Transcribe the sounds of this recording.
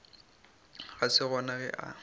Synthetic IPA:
ɣasɪɣwɔnaɣɛ̰ʔa̰

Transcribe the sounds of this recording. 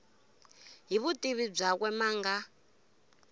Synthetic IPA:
ɦiβutʼiβib͡ʐakwɛmaːŋɡa

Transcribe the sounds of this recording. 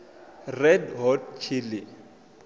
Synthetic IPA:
rɛdɦɔdt͡ʃʰili

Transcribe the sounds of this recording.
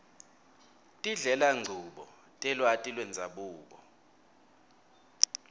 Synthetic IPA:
tʼiɮɛlaŋ͡ǀʱuɓɔ | tʼɛlwatʼilwɛnd͡zʱaɓuːɓɔ

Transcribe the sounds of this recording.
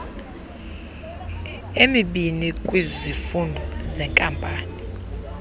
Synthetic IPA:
emiɓinikʼwizifundʱɔzɛŋkʼampʼaːni

